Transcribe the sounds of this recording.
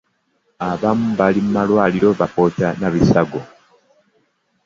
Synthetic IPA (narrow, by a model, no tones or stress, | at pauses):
aβamuβalimmalwaːliɾo̞βapo̞tanaβisaɡo